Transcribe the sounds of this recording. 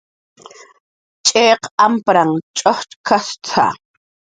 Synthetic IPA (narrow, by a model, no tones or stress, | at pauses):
t͡ʃʼeːqampɾaŋt͡ʃʼoχt̪kʰast͡sʰa̰